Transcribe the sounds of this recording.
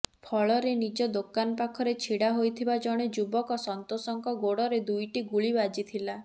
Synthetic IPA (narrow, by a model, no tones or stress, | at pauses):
pʰɔɭɔɾenid͡ʒɔd̪okanɔpakʰɔɾet͡ʃʰiɽaɦojt̪ʰibad͡ʒɔɽ̃ed͡ʒubɔkɔsɔnt̪osɔŋkɔɡoɽɔɾed̪ujʈiɡuɭibad͡ʒit̪ʰila